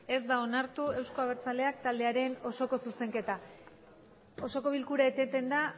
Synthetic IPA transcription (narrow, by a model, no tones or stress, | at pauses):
e̞zd̪ao̞naɾt̪ue̞wsko̞aβeɾt͡sale̞akt̪ald̪e̞aɾe̞no̞so̞ko̞suse̞ŋke̞t̪a | o̞so̞ko̞βilkuɾaet̪et̪e̞nd̪a